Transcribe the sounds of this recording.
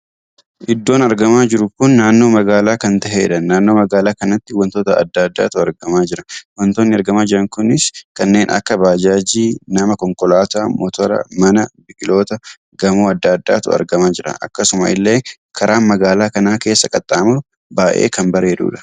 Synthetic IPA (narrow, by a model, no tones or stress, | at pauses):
ʔɪd̪ːo̞ːnɐɾɡɐmaːd͡ʒɪɾʊkʊnːaːnːoːmɐɡaːlaːkɐnt̪ɐɦe̞̰ːᶑɐːaːnːoːmɐɡaːlaːkɐnɐt̪ːɪwɐnt̪oːt̪ɐɐ̰d̪ːɐd̪ːa̰ːt̪ʊɐɾɡɐmaːd͡ʒɪɾɐwɐnt̪oːnːɪɐɾɡɐmaːd͡ʒɪɾɐŋkʊnɪskɐnːe̞ːnʔɐ̰kːɐbaːd͡ʒaːd͡ʒiːnɐmɐkɔŋkʼɔlaːt̪aːmɔt̪ɔɾɐ̰mɐnɐbɪkʼɪlo̞ːt̪ɐ | ɡɐmoːɐd̪ːɐd̪ːa̰ːt̪ʊ̰ɐ̰ɾɡɐmaːd͡ʒɪɾɐ̰ʔɐ̰kːɐsʊmɐ̰ʔɪlːe̞ː | kʰɐɾʔaːnmɐɡaːlaːkɐnaːke̞ːsːɐkʼɐt̪ʼːaːmʊ | baːʔḛːkɐmbɐɾe̞ːᶑṵːᶑɐ̥